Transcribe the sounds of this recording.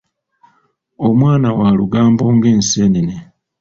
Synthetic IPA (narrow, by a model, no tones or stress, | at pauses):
omwaːnawaːluɡaːmbo̞ːŋɡe̞ːnseːnine